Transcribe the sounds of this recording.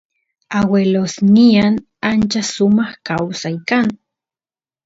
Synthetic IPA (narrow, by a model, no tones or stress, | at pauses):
awelosnian | ant͡ʃasumahkawsaikan